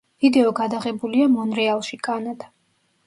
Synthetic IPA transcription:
vid̪ɛɔɡad̪aʁɛbuliamɔnɾɛalˠʃikʼanad̪̥

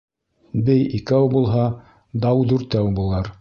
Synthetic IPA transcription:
bɘjikæwbulˠɦɑ | d̪ɑwd̪ʉɾt̪æwbulˠɑɾ

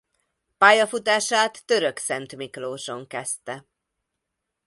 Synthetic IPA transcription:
paːjɒfut̪aːʃaːt̪ːø̞ɾøksɛnt̪mikloːʃo̞ŋkɛst̪ɛ

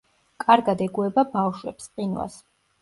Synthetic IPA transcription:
kʼaɾɡad̪ɛɡuɛbabafʃwɛ̰psqʼinwa̰s

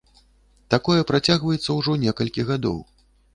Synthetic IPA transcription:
t̪akɔjɛpɾat͡sʲaɣvɐjɛt̪sːɐwʐɔnʲɛkɐlʲkʲiɣad̪ɔ̰w

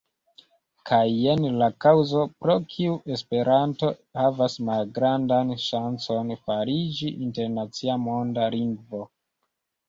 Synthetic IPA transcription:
kʰajenlakawzo̞pɾo̞kʰiuʔe̞spe̞ɾʔanto̞havasmalɡɾandanʃant͡so̞nfaɾid͡ʒiʔinte̞ɾnat͡siamo̞ndaliŋɡvo̞

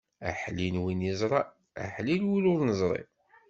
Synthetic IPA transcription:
æ̰ħlinwinjəzˤɾˤɑ | æ̰ħlilwilʊɾnəzˤɾˤḭ

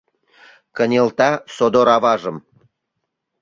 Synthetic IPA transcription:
kə̆nʲelt̪ɑsod̪oɾɑvɑʒə̆m

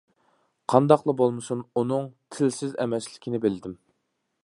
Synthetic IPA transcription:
qʰɑnd̪ɑqlˠəbolˠmɨsununɨŋt̪ʰɪlsɪzɛ̰mɛslɪkʲʰinɪbɪlɪd̪ɪm

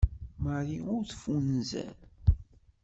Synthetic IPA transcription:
məɾiʊɾθfunzæ̰n

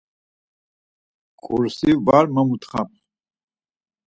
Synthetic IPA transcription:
kʼuɾsivaɾməmut̪χap̚ʰ

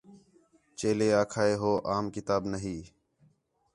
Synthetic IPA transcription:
t͡ʃeːleːaːkʰaːeːɦoːʔaːmkɪt̪aːbnəɦiː

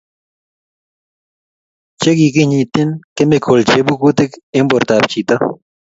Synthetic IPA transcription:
t͡ɕeɡikiɲĩt̪inkemekʰolt͡ɕʰebukut̪ekemboɾt̪aːpt͡ɕʰit̪ɐ

